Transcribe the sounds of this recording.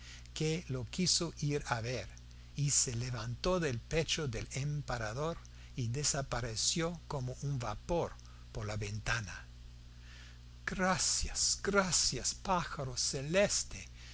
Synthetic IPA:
kelokisoʔiɾaβeɾ | iseleβant̪oðelpet͡ʃoðelempaɾaðoɾ | iðesapaɾesjokomoʔunbapoɾ | poɾlaβent̪ana | ɡ̥ɾasjasɡ̥ɾasjaspaxaɾoselest̪e

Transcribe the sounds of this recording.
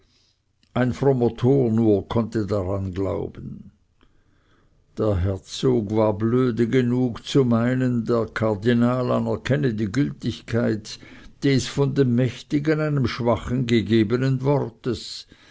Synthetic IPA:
ʔaɪnfʁomotʰoːnuːɐkʰɔntədaʁanɡla̰ʊb̥ən̩ | d̥eːɐɦɛɐt͡soːɡvaːɐbløːdəɡenuːkt͡sumaɪnəndeːɐkʰaʁdinaːlanɛɐkʰɛnədiːɡʏltɪçkʰaɪtd̥eːsfɔndemːɛçtɪɡənaɪnəmʃv̥aχənɡeɡeːbənənvɔrtəs

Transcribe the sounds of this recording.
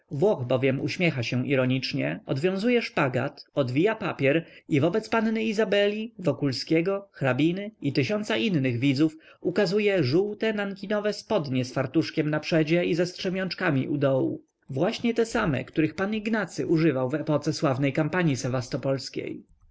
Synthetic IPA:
vwɔxbɔvʲjɛmṵɕmʲjɛxaɕɛ̃ʔiɾɔɲit͡ʂɲɛɔd̪vʲjɔ̃w̃zujɛʂpaɡa̰t̪ɔd̪vʲijapapʲjɛɾivɔbɛt̪spannɘizabɛlʲivɔkulskʲɛɡɔxɾabʲinɘit̪ɘɕɔnt̪saʔinnɘɣvʲid̪zuf | ukazujɛʐuwt̪ɛnaŋkʲinɔvɛspɔd̪ɲɛsfaɾt̪uʂkʲɛmnapʂɛd͡ʑɛizɛstʂɛmʲjɔ̃nt͡ʂkamʲḭʔud̪ɔwṵ | vwaɕɲɛt̪ɛsamɛ̰kt̪uɾɘxpaniɡnat̪sɘʔuʐɘvawvɛpɔt̪sɛswavnɛjkampaɲisɛvast̪ɔpɔlskʲḛj

